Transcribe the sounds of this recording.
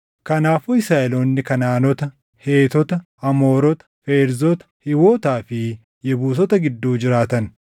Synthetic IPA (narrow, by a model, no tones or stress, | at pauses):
kɐnaːfɔɪsaːɛloːnːɪkɐnaːnɔt̪ɐ | he̞ːt̪ɔt̪ɐ | ɐmoːɾɔt̪ɐ̥feːɾzɔt̪ɐ̥hɪwoːt̪aːfɪ | jɛbuːs̬ɔt̪ɐɡɪd̪ːuːd͡ʒɪɾaːt̪ɐn